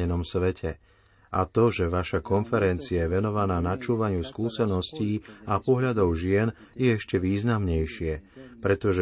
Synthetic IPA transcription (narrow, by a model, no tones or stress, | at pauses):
ɛnɔmsʋɛcʰɛ | ʔat̪ɔʒɛʋaʃakɔnfɛɾɛnt͡siajɛʋɛnɔʋanaːnat͡ʃuːʋaɲɪuskuːsɛnɔsciːapɔɦʎad̪ɔʊʒɪɛn | jɛɛʃcɛʋiːznamɲɛjʃɪɛpɾɛt̪ɔʒɛ